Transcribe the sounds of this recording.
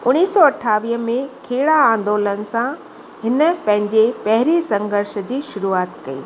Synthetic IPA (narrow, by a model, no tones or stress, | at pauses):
ʊniːsɔːɐʈʰaːʋiːəmẽkʰeːɽaãːnd̪oːlənɪ̆sã | ɦɪnə̆pɐ̃ɦɪ̃ɲd͡ʑepɐɦɪɾesɐ̃ŋɡʱəɾʃə̆d͡ʑiːʃʊɾuaːt̪kɐḭː